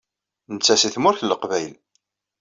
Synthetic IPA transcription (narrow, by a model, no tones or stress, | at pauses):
nət͡sːæsiθmʊɾçləqvæjl